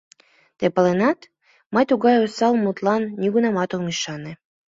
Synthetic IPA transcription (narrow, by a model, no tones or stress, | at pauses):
t̪epə̆lenɑt̪ | məjt̪uɣɑjosɑlˠmut̪lɑnːiɣunɑmɑt̪oŋiʃɑne